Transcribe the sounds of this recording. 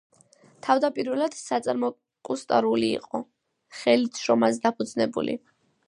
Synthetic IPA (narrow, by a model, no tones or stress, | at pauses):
t̪ʰavd̪apʼiɾvɛlad̪̥sat̪sʼaɾmɔ | kʼust̪ʼaɾulḭːqʼɔ | χɛlit̪ʰʃɾɔmazɛd̪apʰud̪znɛbṵlḭ